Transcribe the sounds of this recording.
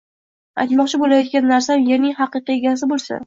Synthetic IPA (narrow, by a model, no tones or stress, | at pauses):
a̰jt̪mɒqt͡ʃʰɪbolajɒt̪̚ɡʲanːaɾsamjeɾnɪŋhɑqɨqɨe̞ɡʲasɪbolˠsa̰